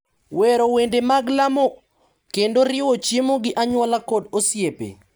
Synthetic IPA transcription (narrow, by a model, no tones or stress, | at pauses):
weɾowendemaɡlamo | kendoɾɪwot͡ʃemoɡɪʔaɲwɔlakodosjepḛ